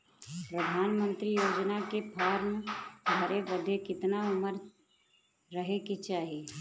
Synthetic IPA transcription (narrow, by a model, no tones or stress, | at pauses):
pɾəd̪ʱaːnmə̃nt̪ɾijoːd͡ʒnakepʰaːɾmeɡʱəɾebəd̪ʱekɪt̪naʊməɾ | ɾəɦeket͡ʃaːɦie